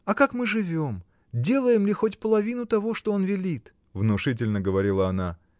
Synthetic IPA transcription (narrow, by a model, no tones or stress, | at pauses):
ɐkakmɨʐɨvʲo̞m | dʲe̞lˠəjɪmlʲɪxo̞tʲpəlˠɐvʲinʊt̪ɐvo̞ʂt̪oonvʲɪlʲit̪ | vnʊʂɨt̬ʲɪlʲnəɡəvɐɾʲilˠəɐna